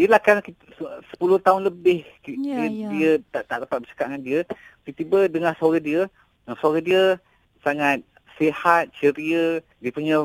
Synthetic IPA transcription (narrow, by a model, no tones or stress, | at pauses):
iəlahkanki | sə̥pulʊht̪aʊnləbɪhkiədiət̪aʔt̪aʔdapat̪̚bət͡ʃḁkaʔŋandiək̪it̪ibədəŋahsoɾadiə | asoɾadiə | saŋat̪̚ | sehat̪̚t͡ʃəɾiə | diəpuɲə